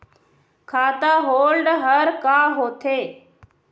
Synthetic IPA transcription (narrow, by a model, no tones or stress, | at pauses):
kʰaːt̪aːɦoːlɖɦəɾkaːɦoːt̪ʰeː